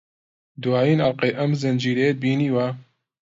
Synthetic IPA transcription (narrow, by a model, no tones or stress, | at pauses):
d̪waːjiːnalqejʔɐmzɨnd͡ʒiːɾed̪̚biːniːwa